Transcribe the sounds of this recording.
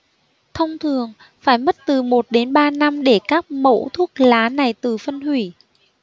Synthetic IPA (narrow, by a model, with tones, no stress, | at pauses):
t̪ʰə˧wŋ͡mt̪ʰɨ˨˩əŋ | faː˧˩jmə˦˥t̚t̪ɨ˨˩mo˨˩t̚ɗe˨˦nɓaː˧na˧mɗe˧˩kaː˦˥k̚mo̰˧˥t̪ʰu˦˥ək̚laː˨˦na˨˩jt̪ɨ˨˩fə˧nhwi˧˩